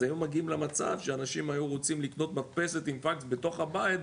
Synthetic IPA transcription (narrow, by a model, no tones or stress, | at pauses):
ajumaɡiimlemat͡sa̰vʃeanaʃimajuʁo̞t͡simlikno̞t̪matpe̞se̞t̪imfaksbe̞to̞χhabait̪